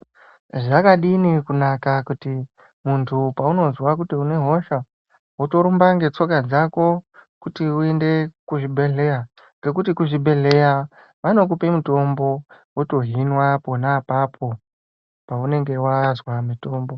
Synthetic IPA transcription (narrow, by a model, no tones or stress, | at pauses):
ʐakaɗinikunakakuti | muntʰupauno̞zwak̬utiune̞ɦo̞ʃa | woto̞ɾumbaŋɡe̞t͡so̞kad͡zako̞kutiuende̞kuʐibʱe̞ɮe̞ja | ŋɡe̞kutikuʐibʱe̞ɮe̞ja | ʋano̞k̬upe̞muto̞mbo̞ | woto̞ɦinwapo̞napapʰo̞ | paune̞ŋɡe̞wazwamito̞ːmbo